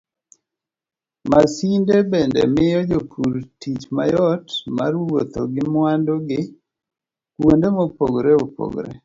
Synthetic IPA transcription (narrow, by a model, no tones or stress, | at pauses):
masindebɛndɛ̰mɪjɔd͡ʒopʰuɾtit͡ʃmajɔtma̰rwot̪oɡɪmwandoɡɪ | kwondemopoɡɾeopo̰ɡɾɛ̰